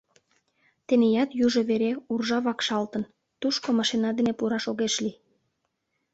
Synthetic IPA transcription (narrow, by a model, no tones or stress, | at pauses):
t̪enejɑt̪juʒoβeɾeurʒɑβɑkʃɑlt̪ən | t̪uʃkomɑʃinɑd̪enepuɾɑʃoɣeʃli